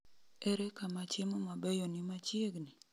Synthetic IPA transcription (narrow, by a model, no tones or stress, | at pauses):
ɛɾɛkamat͡ʃɪmomabɛjɔnɪmat͡ʃjeɡnɪ